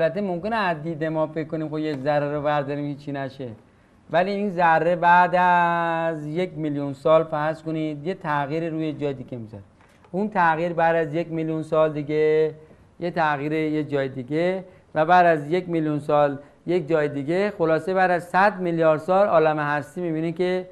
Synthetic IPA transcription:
lbæt̪ʰːemomkeneæzd̪iːd̪emɒːfekːoniːmxojekzæɾːeɾobæɾd̪ɒɾiːmket͡ʃʰinæʃe | væliːiːnzærːebæːd̪æzjekmiljunsɒːlfæskonid̪je̞t̪ʰæɣiːɾiːɾuːjed͡ʒɒːjed̪iːɡemizɒ̰ɾi | unt̪ʰæɣiːɾbæːd̪æzjekmiljunsɒːld̪iɡe | jet̪ʰæɣiːɾejed͡ʒɒːjed̪iɡe | væbæːd̪æzjekmiljunsɒːl | jek̚d͡ʒɒːjed̪iːɡexolɒːsebæːd̪æzsæd̪miljɒːɾd̪sɒːlɒːlæmeɦæst̪iːmibiːnikʰe

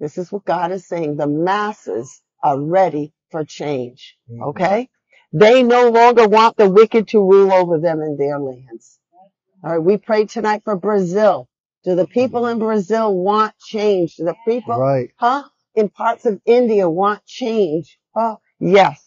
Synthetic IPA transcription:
ðɪsɨzwʌt̚ɡ̥ɑɾɨz̥seɪɪ̃ŋðəmæsɪ̰z̥ | ə˞ɹɛɾi | fə˞t͡ʃʰẽɪ̃nd͡ʒ | ʔo̰ʊkʰeɪ | ðeɪnoʊlɔ̃ŋɡə˞wɑ̃nðəwɪkɨd̚tʰəɹulˠoʊvə˞ðɨ̃mɨ̃nðə˞læ̃ndz̥ | ɑɹaɪt̚wipʰɹ̥eɪd̚tʰɨnaɪtfə˞bɹɨzɪlˠ | d̥ɨðəpʰipl̩ˠə̃nbɹɨzɪlˠwɑ̃nt͡ʃʰẽɪ̃nd͡ʒdɨðəpʰipl̩aɪt̚hʌ | ɨ̃npʰɑɹtsʌvɪ̃ndiɨwɑ̃nt͡ʃʰẽɪ̃nd͡ʒ̥ | hʌ | jɛs

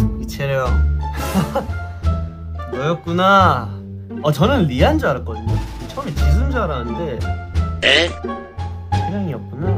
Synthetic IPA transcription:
it͡ɕʰeɾjʌŋ | bʌjʌk̚k͈una | ʌt͡ɕʌnɯnɾiand͡ʑuaɾak͈ʌdɯɲoɯt͡ɕʰʌmit͡ɕis̬ʰɯmd͡ʑuaɾanɯnde̞ne | t͡ɕʰeɾjʌŋiʌk̚k͈unan

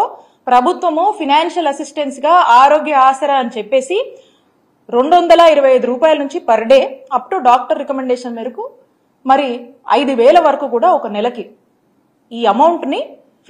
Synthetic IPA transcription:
pɾɐbʱut̪ʋɐmupʰinaːnʃɐlɐsisʈensɡaːaːɾo̞ːɡjɐaːsɐɾaɐnit͡ʃɛpːe̞ːsi | ɾe̞ɳɖond̪ɐlaiɾɐʋɐjɐjd̪uɾuːpaːjɐlɐnuɲt͡ʃipɐɾɐɽe̞ːɐpːuʈuːɖaːk̚ʈɐɾːɛkɐmeɳɖeːʂɐnmiːɾɐku | mɐɾi | ɐ̰jd̪uʋɛːlɐʋɐɾɐkuːkuːɽaːɔkɐnɛlɐki | iːɐmɐwɳʈni

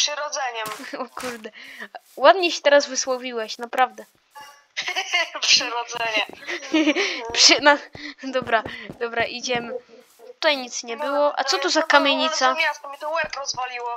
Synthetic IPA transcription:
pʂɨɾɔd̪zɛɲɛmɔkuɾd̪ɛ | wad̪ɲɛɕɛt̪ɛɾazvɘswɔvʲiwɛɕnapɾavd̪ɛ | pʂɨɾɔd̪zɛɲɛ | pʂɘnad̪ɔbɾad̪̥ɔbɾaʔid͡ʑɛmɘ | t̪ut̪ajɲit̪sɲɛbɘwɔʔa̰t̪sɔt̪uzakamʲjeɲit̪saasit̪wɛɾkɾɔzvɔlʲiwɔ

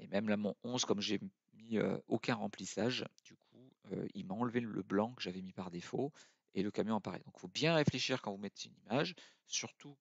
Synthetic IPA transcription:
emɛmlamɔ̃ɔ̃zkɔmʒe | miø̰okʲɛ̃ʁɑ̃plisaʒd̪̥ykʰuø̰ḭlmaɑ̃lvelə̰blɑ̃kəʒavɛmipaʁd̪efo | eləkamjɔ̃apaʁḛd̪ɔ̃kfobjɛ̃ʁefleʃiʁkɑ̃vumɛt̪ʰeynimaʒ | syʁt̪ʰu

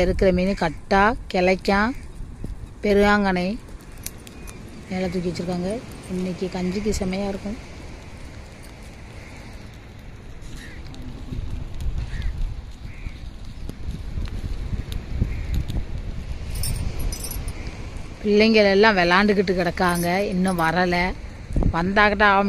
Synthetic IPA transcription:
ɪɾɯkːɯɾɐmiːnɯkɐʈːaːkɛlɐkːãː | pɛɾɯʋaːŋɡɐnɐɪ | nɛlɐt̪̬ːʊk̬ːɪʋɛt͡ʃːɯɾɯkːaːŋɡɐɪnːɪkʲːɯkɐɲd͡ʒɯk̬ːɯsɐmɐjaːɪɾɯkːɯ̃ | pɪlːɛŋɡɐɭɛlːãːʋɛlaːɳɖɯkːɪʈːɯkɪɽɐkːaːŋɡɐɪnːʊ̃ʋɐɾɐlɐ | ʋɐnd̪aːɣɐʈːãaːm

